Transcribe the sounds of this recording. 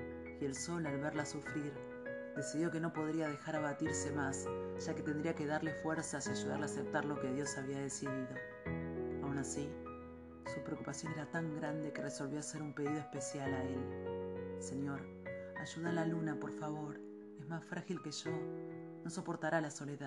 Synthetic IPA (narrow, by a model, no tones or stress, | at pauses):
ie̞lso̞lalβeɾlasufɾiɾ | d̪e̞siðjo̞ke̞no̞po̞ð̞ɾiaðe̞xaɾaβat̪iɾse̞masʒ̥ake̞t̪e̞nd̪ɾiakeðaɾle̞fweɾsasiaʒuða̰ɾlasep̚t̪aɾlo̞keðjo̞saβiað̞e̞siðiðo̞ | awnasi | supɾeokupasjo̞ne̞ɾat̪aŋɡɾand̪ekereso̞lβjoase̞ɾumpe̞ðiðo̞espe̞sjalael | se̞ɲjo̞ɾ | aʒuðalalunapo̞ɾfaβ̞o̞ɾ | e̞zmasfɾʔaxilke̞ʒo̞ | no̞so̞po̞ɾt̪aɾalaso̞leða